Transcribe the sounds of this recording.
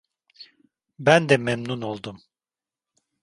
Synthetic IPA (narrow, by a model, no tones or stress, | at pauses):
bænd̪ɛmemnunolˠd̪um